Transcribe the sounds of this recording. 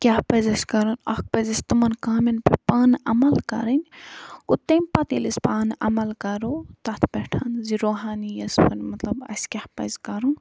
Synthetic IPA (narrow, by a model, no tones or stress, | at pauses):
kʲahpɐzɐsʲkɐɾunɐhk̚pɐzɐsʲt̪ɨmɐnkaːminpɐpaːnɐmɐlkɐ̰ɾɐnʲkut̪ːɐmʲpɐt̪ilispaːnʔɐ̰mɐlkɐɾot̪ɐt̪ʰbɛʈʰɐnziɾoːɦaːnijɐspʰɐnmɐt̪lɐbɐ̰skʲahpɐ̰zkɐɾun